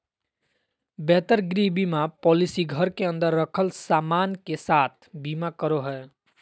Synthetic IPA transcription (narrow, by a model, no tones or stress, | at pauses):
bɛt̪əɾɡɾibimapɔlisiɡʱəɾkeənd̪əɾːəkʰəlsamankesat̪̚ʰbimakəɾoɦə